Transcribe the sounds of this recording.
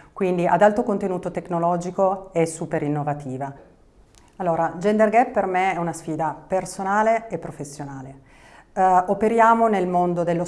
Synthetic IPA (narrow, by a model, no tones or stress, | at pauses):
kwind̪iʔad̪alt̪okont̪enuːt̪ot̪eknolɔːd͡ʒikoɛsːuːpeɾinːovat̪iːva | alːoːɾad͡ʒɛnd̪erɡɛppermeɛunasfiːd̪apersonaːleepːɾofesːjonaːle | opeɾjaːmonelmond̪od̪elːo